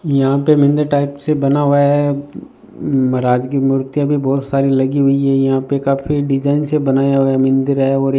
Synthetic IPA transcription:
jɐɦãpemɪ̃nd̪əɾʈaːɪpsebɐnaɦoaɦɛ | mɐɾaːd͡ʒkimʊɾt̪jabʱibɔːt̪saːɾilɐɡiɦʊiɦɛjɐɦãpekaːpʰiɖɪd͡ʒaːɪnsebɐnaːjaɦoamɪ̃nd̪əɾɦɛɔːɾ

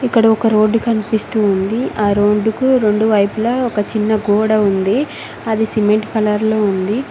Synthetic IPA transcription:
ikːɐɽɐɔkɐɾo̞ːɖːkɐnipist̪uːnd̪iaːɾo̞ːɖːukuɾe̞ɳɖuʋɐjpulɐɔkɐt͡ʃinːɐɡoːɽɐund̪i | ɐd̪isimeɳʈpɐlɐɾloːund̪i

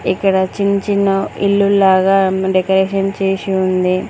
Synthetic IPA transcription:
ikːɐɽɐt͡ʃiɲt͡ʃinɐilːulaːɡaːɖekɐɾeːʂɐnt͡ʃeːsiund̪i

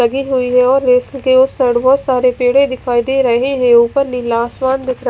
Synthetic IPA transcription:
ɐɡiɦʊiɦɛɔːɾːeːslkeʊsɐɖbɔːt̪saːɾepeːɽẽd̪ɪkʰaːid̪eːɾɐɦẽɦɛ̃uːpəɾnilaːsmãːnd̪ɪkʰɾɐ

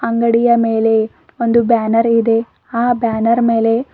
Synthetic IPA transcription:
ɐŋɡɐɽijɐme̞ːle̞ | ond̪ubaːnɐɾid̪e̞ | aːbaːnɐɾme̞ːle̞

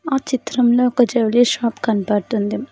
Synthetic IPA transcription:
aːt͡ʃit̪ɾɐmloːɔkɐd͡ʒɐʋliʃaːpkɐɳpɐːɽt̪und̪i

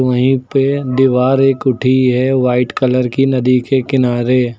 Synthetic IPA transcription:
əɦĩped̪ɪʋaːɾeːkʊʈʰiɦɛʋaːɪʈkələɾkinɐd̪ikekɪnaːɾe

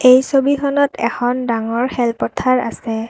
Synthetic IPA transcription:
ejsobixɔnɔtʰɛ̰xʰɔndaŋɔɹxɛlpɔtʰaɹa̰sɛ

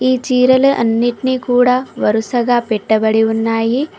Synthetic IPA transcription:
it͡ʃiːɾɐlʔɐ̰nːiʈnikuːɽaːʋɐɾusɐɡaːpeʈːɐbɐɽiʊnːaːji

